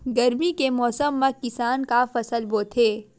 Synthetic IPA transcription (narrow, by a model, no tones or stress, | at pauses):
ɡɐɾmikemɔːsəmːɐ̃kɪsaːnkafɐsəlboːt̪ʰɦeː